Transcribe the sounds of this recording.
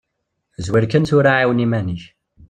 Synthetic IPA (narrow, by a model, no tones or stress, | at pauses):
zwiɾkænθʊɾaʕiwnimæniç